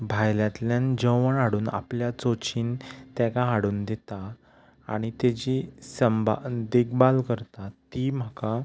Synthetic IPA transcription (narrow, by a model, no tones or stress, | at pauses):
bʱajljãt̪ljãnd͡ʑəʋəɳaɽuːna̰pljat͡sot͡ɕiːnt̪akãɦaɽuːnd̪et̪a̰ː | ɽ̃it̪ed͡ʑisəmbʱad̪iɡbalkəɾt̪at̪im̤aka